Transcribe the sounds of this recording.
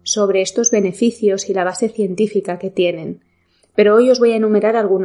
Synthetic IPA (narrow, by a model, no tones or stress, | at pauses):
so̞βɾe̞est̪o̞zβe̞ne̞fiθjo̞silaβ̞ase̞θje̞nt̪ifikake̞t̪je̞nẽ̞n | pe̞ɾoojo̞zβo̞jaenũme̞ɾaɾalɣun